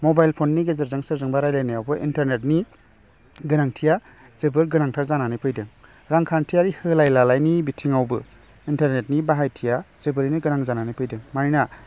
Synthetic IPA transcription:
mobajlpʰonːiɡezɯɾzɯŋsɯɾzɯŋbaɾajlajnajawbɯʔintaɾnet̚ni | ɡɯnaŋtʰija | z̥ebɯɾɡɯnaŋtʰaɾzananɯpʰɯjdɯŋ | ɾaŋkʰantʰijaɾihɯlajlalajnibitʰiŋawbɯ | intaɾnet̚nibaɦajtʰijaz̥ebɯɾiniɡɯnaŋzananɯjpʰɯjdɯŋmaɾina

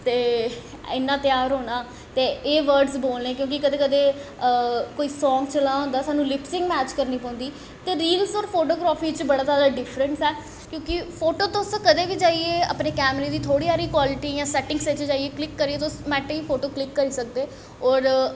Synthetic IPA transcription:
t̪eː | ɪnːãːt̪ɪjaːɾɦoːnaː | t̪eːeːʋəɾɖzboːlnẽːkjõːkikəd̪eːkəd̪eː | koːiːsɔ̃ːŋɡt͡ʃəlãːɦõːnd̪aːsaːnũːlɪpsɪ̃ŋɡmɛːt͡ʃkəɾniːpɔ̃ːʊ̃nd̪iː | t̪eːɾiːlsɔːɾpʰoːʈoːɡɾaːfʰiːt͡ʃbəɽaːzaːd̪aːɖɪfʰɾəɳsɛː | kjõːkɪpʰoːʈoːt̪oʊskəd̪eːʋiːd͡ʒaːieːa̰pneːkɛːmɾeːd̪iːt̪ʰoːɽiːaːɾiːkwaːlɪʈiːjãːsɛːʈɪ̃ŋɡset͡ʃd͡ʒaːieːklɪkːəɾiːeːt̪ːʊsmɛːʈːiːpʰoːʈoːklɪkːəɾiːsək̚d̪eː | ɔːɾ

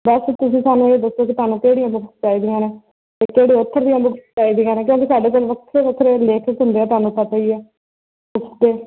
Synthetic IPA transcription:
bəst̪ʊsĩːt̪aːnũːeːd̪əsoːkɪt̪ʊaːnũːkeːɽiːjãːbʊkʰst͡ʃaːiːd̪iãːneː | t̪eːkeːɽeːʊt̪ʰːəɾd̪ijãːbʊkʰst͡ʃaːiːd̪ijãːneːk̬jõːkisaːɖeːkoːlʋəkt̪ʰɾeːbəkʰɾeːleːkʰəkɦʊnd̪eːɛːt̪ʊaːnũːpət̪aːiːɛː | bʊksd̪eː

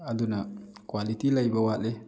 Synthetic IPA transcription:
ad̪unakwalit̪ilajbawale

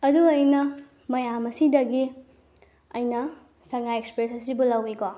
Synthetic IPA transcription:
ɐduɐjnɐ | mɐjamɐsidɐɡi | ɐ̰jnɐ | sɐŋajekspiɾesɐsibulɐwiɡɔ

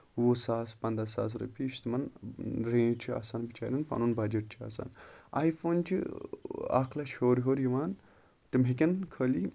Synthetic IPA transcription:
wosaːspɐnd̪ɐsa̰ːs̬ɾɐ̰piːʃt̪imɐnɾẽːt͡ʃʰia̰ːsaːnbit͡ʃa̰ːɾʲinpɐ̰nunbɐd͡ʒeʈ̚t͡ʃʰia̰ːsa̰ːna̰ːjfoːnt͡ʃʰḭ | a̰kʰlɐʃoːɾɦoːɾjiʋaːn | t̪imɦek̬ʲɐnkʰəːli

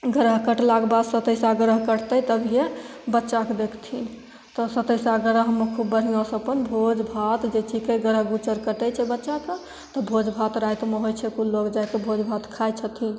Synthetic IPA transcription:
ɡəɾəɦkəʈlaɡbad̪sət̪əjsaɡəɾəɦkəʈt̪əjt̪əbʱije | bətːt͡ʃakd̪ekʰt̪ʰin | t̪ɔsət̪əjsaɡəɾəɦɦəmːəkʰubːəɾ̤inasəpənbʱod͡ʒbʱat̪d͡ʒet͡ʃʰikeɡəɾəɦɡut͡ʃəɾkəʈɛt͡ʃʰɛbətːʃak̪ə | t̪ɔbʱod͡ʒbʱat̪ɾajt̪meɦojt͡ʃʰɛkulokd͡ʒajkebʱod͡ʒbʱat̪kʰajt͡ʃʰət̪ʰin

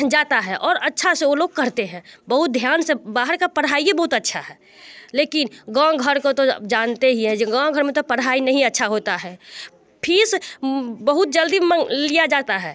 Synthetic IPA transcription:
d͡ʒaːt̪aɦɛʔɔːɾɐtːʃʰaseoloːɡ̚kɐɾt̪eɦɛ̃ːbəɦʊt̪̚d̪ʱjaːnsebaːɦəɾkapəɽaːijebɐɦʊt̪ətːʃʰaɦɛː | leːkɪnɡãːɡʱəɾkot̪od͡ʒaːnt̪eɦiɦɛ̃d͡ʒɡãːɡʱəɾmẽt̪opəɽɦaːinɐɦĩətːʃʰaɦoːt̪aɦɛː | pʰis | bəɦʊt̪̚d͡ʒəld̪iməlijad͡ʒaːt̪aɦɛː

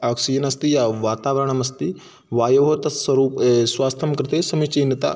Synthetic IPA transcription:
ɐksid͡ʒnɐst̪ijaʋaːt̪aːʋɐɾəɳ̃ɐmɐst̪i | ʋaːjɐɦot̪ɐsɐɾuːpsʋaːst̪ʰɐmkɾɪt̪esɐmit͡ʃinit̪a̰

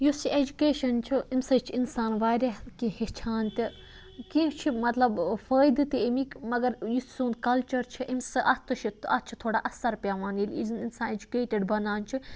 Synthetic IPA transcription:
jusied͡ʒukeːʃɐnt͡ʃʰiimsɐt͡ʃʰinsaːnʋaːɾʲakĩhit͡ʃʰaːnt̪ʲi | kĩt͡ʃʰimɐt̪lɐbfəːjd̪ɨt̪iemikmɐɡɐɾju̥sũnd̪kɐlt͡ʃɐɾt͡ʃʰiʔimsɨʔɐt̪ʰɨʃʰiɐt̪t͡ʃʰi̥t̪ʰoːɽaʔɐsɐɾpʲaːʋaːnilʲizninsaːned͡ʒukeːʈeɖbɐnaːnt͡ʃʰi

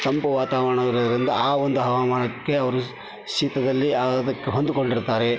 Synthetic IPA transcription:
t̪ɐmpɐʋaːt̪aːʋɐɾɐɳɐʋiɾɐːd̪ɐɾind̪ɐaːond̪uɦɐʋaːmɐɳɐkːe̞ɐʋɐɾu | ʃiːt̪ɐd̪ɐlːiad̪ɐkːeɦond̪ukoɳɖiɾt̪aːɾe̞

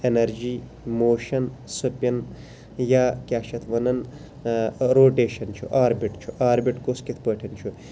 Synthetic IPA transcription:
enɐɾd͡ʒiː | moːʃɐnsupʲɐn | jaːkʲaːʃɐt̪ʰʋɐnɐn | ɾoːʈeːʃɐnt͡ʃʰṵʔaːɾbiʈt͡ʃʰuʔaːɾbiʈkoskit̪ʰpəːʈʰɐnt͡ʃʰu

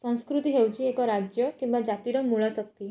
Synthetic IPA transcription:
sə̃w̃skɾut̪iɦewt͡ɕiekɔɾad͡ʑjəkĩw̃ʋad͡ʒat̪iɾəŋmuɭasək̚t̪i

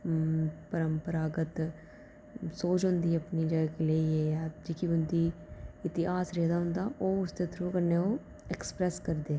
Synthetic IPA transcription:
pəɾəmpəɾaːɡət̪ | soːt͡ʃɦʊ̃nd̪iːɐpnid͡ʒəɡakeleːiɛjaːd͡ʒɪkibʊnd̪iɪt̪ɪɦaːsɾɛːd̪aɦʊ̃nd̪aːʔoːʊst̪et̪ʰɾuːkəɾneoː | ekspɾɛskəɾd̪eː

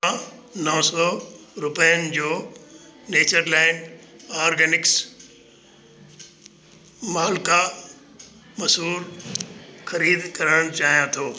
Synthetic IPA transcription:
ãnɔɦsɔːɾʊpəjənɪ̆d͡ʑoː | neːt͡ɕəɾlaːɪnaːɾɡɛːnɪks | maːlka | mɐsɦuːɾ | xɐɾiːd̪kɐɾəɽ̃t͡ɕaːɦijãt̪ʰoː

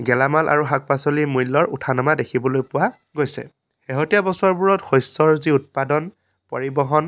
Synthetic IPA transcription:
ɡɛlamalʔa̰ɹuɦak̚pasɔlimujlːɔɹṵtʰanamadekʰibɔlojpʊwa | ɡojsɛ̰ | xeɦotijabɔsaɹbuɹɔtxɔjsɔɹziut̚padɔn | pɔɹibɔɦɔn

